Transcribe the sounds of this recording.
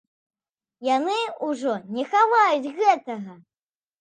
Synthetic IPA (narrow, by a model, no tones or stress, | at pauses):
janɨuʐɔnʲɛxavajut͡sʲɣɛt̪ɐɣɐ